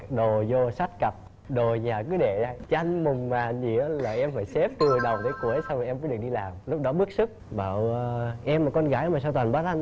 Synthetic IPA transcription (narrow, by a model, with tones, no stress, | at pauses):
ɗo˨˩zo˧sa˦˥t̚kə˨˩p̚ | ɗo˨˩ɲaː˨˩kɨ˨˦ɗe˧˩zaː˧jt͡ɕa˧jŋ̟mʊ˨˩ŋ͡mmaː˨˩ɲḭ˧˨ə˦laː˨˩ʔɛ˧mfaː˧˩jse˦˥p̚t̪ɨ˨˩əŋɗə˨˩wŋ͡mt̪ʰe˨˦jku˧˩əjsa˧wmaː˨˩ʔɛ˧məː˧˨˦ɗɨ˨˩ək̚ɗi˧laː˨˩mlʊ˦˥k͡p̚ɗɔ˨˦ɓɨ˦˥ək̚sɨ˦˥k̚ɓaː˧˩wʔɛ˧mːaː˨˩kɔ˧nɣaː˧˥jmaː˨˩saː˧wt̪waː˨˩nɓaː˨˦t̪ʰa˧n